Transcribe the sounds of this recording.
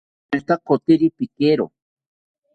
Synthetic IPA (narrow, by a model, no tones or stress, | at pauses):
ɾt̪akot̪iɾipikeɾo̰